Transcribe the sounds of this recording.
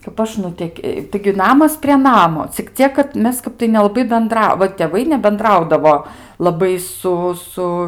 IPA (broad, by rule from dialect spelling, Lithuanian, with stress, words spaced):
kɐp ˈɐʃ nʊˈtʲɛkʲ tɐɪɡʲɪ ˈnɑːmɐs pʲrʲiɛ ˈnɑːmoː t͡sʲɪk ˈt͡sʲiɛk kɐt ˈmʲɛs ˈkɐp tɐɪ nʲɛlˠɐˈbɐɪ bʲɛnˈdrɐ ʋɐ tʲeːˈʋɐɪ nʲɛbʲɛnˈdrɐʊdɐʋoː lˠɐˈbɐɪ ˈsʊ ˈsʊ